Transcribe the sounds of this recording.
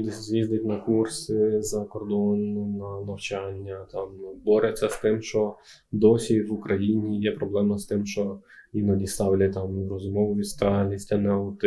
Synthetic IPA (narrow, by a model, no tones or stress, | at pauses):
d̪ɪzʲʋʲizd̪ɪtʲnɐkursɪzɐkɔrd̪ɔnʊnɐnɐwt͡ʃanʲːɐt̪ɑmbɔɾet͡sʲːɐst̪ɪmʃt͡ʃɔ | d̪ɔsʲiʋʊkɾʔɐjinʲijɛpɾɔblˠɛmɐst̪ɪmʃt͡ʃɔinɔdʲist̪ɑwlʲɐt̪ɑmɾɔzʊmɔʋʊʋʲist̪ɑlʲisʲtʲɐnɛɔt̪